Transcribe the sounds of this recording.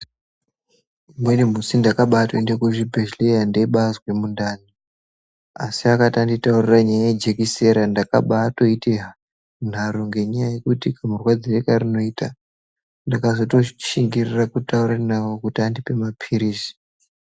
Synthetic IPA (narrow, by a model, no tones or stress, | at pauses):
mwenim̤usindakaɓatoendekuʐibʱeʃlejandeɓazwe̞mundaːni | asiakatanditauriraɲajajed͡ʒekise̞ɾandaka̰ɓaːto̞iteɦa | n̤aɾoŋɡe̞ɲajaje̞kutikamurwad͡zirekarino̞ita | ndakazo̞to̞t͡ʃiŋɡirirakutauɾanawokutiandipe̞mapʰiɾiːsi̥